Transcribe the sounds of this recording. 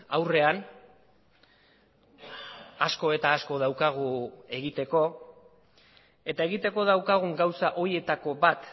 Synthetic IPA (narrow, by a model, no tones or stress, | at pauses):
awre̞an | asko̞e̞t̪aːsko̞ð̞awkaɣ̞ue̞ɣit̪e̞ko̞ | e̞t̪ae̞ɣit̪e̞ko̞ðawkaɣ̞uŋɡawsaʔo̞ɾie̞t̪ako̞bat̪